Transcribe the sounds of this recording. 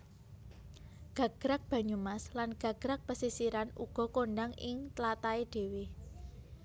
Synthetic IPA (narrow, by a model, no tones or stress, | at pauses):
ɡ̥ä̤ɡ̥ɾak̚b̥a̤ɲumaslanɡ̥ä̤ɡ̥ɾak̚pəsisiɾanṵɡ̥ɔ̤koɳɖaŋɪŋt̪lat̪aed̪̥e̤wi